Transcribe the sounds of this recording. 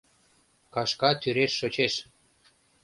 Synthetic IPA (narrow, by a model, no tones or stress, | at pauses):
kɑʃkɑt̪yɾeʃːot͡ɕeʃ